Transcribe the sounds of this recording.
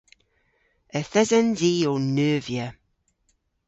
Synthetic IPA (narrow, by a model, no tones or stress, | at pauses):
əθɛzənziːonøːvjə